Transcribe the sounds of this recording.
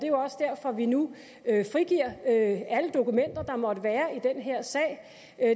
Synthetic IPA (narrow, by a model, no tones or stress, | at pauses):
d̥e̝jo̝ɒ̽səd̥æɐ̰fɒ̽ʋinu | øfʁiɡ̥iɐ̰øæləd̥o̝kumen̰d̥ɐd̥ɑ̈mɒ̽d̥əʋæːɐid̥enɦeɐ̰sɛ̰ɪ̰